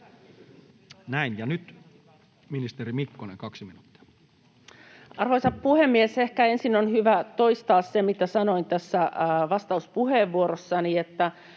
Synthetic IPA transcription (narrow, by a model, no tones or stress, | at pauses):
næinjɑnyt̪ | minist̪eɾimikːonḛŋkɑksiminuːt̪ːi̥ɑ̥ | ɑrʋoisɑppuhemːiesehkæensinonhyʋæt̪o̞ist̪ɑːssemit̪æsɑnoint̪æsːæʋɑst̪ɑuspuheːʋːuoɾosːɑniet̪ːæ